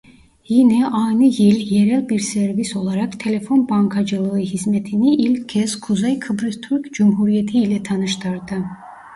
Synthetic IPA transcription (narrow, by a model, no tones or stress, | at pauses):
jinɛʔaːnɯjilʲjeɾælʲbiɾseɾviso̞lˠaɾakt̪ʰe̞lʲe̞fo̞nbaŋkʰad͡ʒɯlˠɯɯɦizmet̪ʰiniʔilʲkʰɛz̥kʰuzajkʰɯbɾist̪ʰuɾkd͡ʒumɦuɾijet̪ʰiːlʲɛt̪ʰɑnɯʃt̪ʰɯɾd̪ɯ